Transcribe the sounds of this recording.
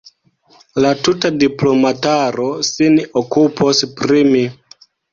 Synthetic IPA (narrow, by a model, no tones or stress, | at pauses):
latutadiplo̞mataɾo̞sinokupʰospɾimi